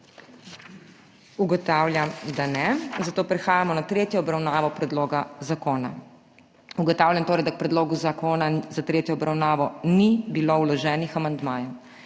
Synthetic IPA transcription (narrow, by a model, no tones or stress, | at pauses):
uɡɔt̪aːwlʲjamd̪anɛzat̪oːpɾɛxaːjamɔnat̪ɾeːt̪jɔːbɾawnaːʋɔpɾɛd̪loːɡazakoːna̰ | uɡɔt̪aːwlʲjant̪oːɾɛjd̪ak̚pɾɛd̪loːɡuzakoːnazat̪ɾeːt̪jɔɔbɾawnaːʋɔnibiloulɔʒɛːnixamand̪maːjɛ